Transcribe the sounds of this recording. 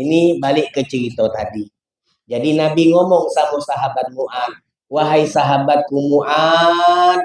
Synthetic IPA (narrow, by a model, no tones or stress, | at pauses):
inibalɪʔkət͡ʃəɾit̪ot̪adi | d͡ʒadinabiŋomɔŋsamusaɦabat̪̚muʔan̚ | waɦajsaɦabat̪̚kumuʔa | n